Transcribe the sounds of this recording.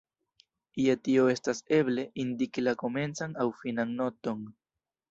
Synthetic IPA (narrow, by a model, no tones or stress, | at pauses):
iatio̞e̞stase̞ble̞ʔindikilako̞me̞nt͡saŋawfinaŋno̞to̞ŋ